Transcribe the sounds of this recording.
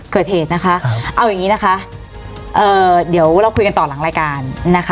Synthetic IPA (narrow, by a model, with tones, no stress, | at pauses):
kɤː˨˩t̪̚heː˨˩t̪̚na˦˥kʰa˦˥ʔa˧wja˨˩ŋːiː˦˥na˦˥kʰa˦˥ʔ | ʔɤː˨˩di˩˦əwɾa˧wkʰu˧jka˧nt̪ɔː˨˩la˨˩˦ɾaː˧jkaː˧nːa˦˥kʰ